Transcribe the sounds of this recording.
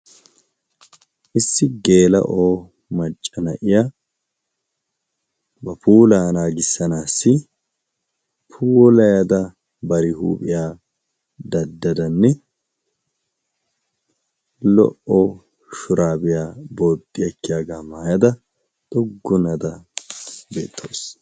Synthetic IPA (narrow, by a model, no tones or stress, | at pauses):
ʔɪsːɪɡe̞ːlɐ̰ʔoː | mɐt͡ʃʼːɐnɐʔɪja | bɐpʰuːlaːnaːɡɪsːɐnaːsːɪ | pʰuːlɐjɐd̪ɐ | bɐɾɪhuːpʼɪjaː | d̪ɐd̪ːɐd̪ɐnːɛ | lɔ̰ʔo | ʃʊɾaːbɪjaːbo̞ːt̪ʼːɪjɐkːɪjaːɡɐmaːjɐd̪ɐ | t̪ʼɔɡːʊnɐd̪ɐ | be̞̰ːt̪ʰːo̰ːs